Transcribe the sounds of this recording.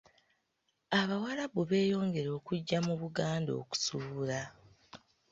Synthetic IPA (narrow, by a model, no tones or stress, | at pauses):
aβawalaβuβe̞ːjo̞ːŋɡe̞ɾo̞ːkuɟːamuβuɡaːndo̞̰ːku̥suβula